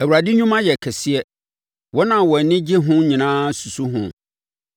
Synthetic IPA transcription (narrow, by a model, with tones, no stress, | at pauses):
æ˨wu˨ɾa˨dɪ˦ɲũ˦mã˦jɛ˨kʰɛ˨si˦ɛ˦ | wɔ˦nã˨wɔ˨nɪ̃˦d͡ʑɪ˦ɦʊ̃˦ɲĩ˨nãː˦su˨su˦ɦʊ̰̃˦˨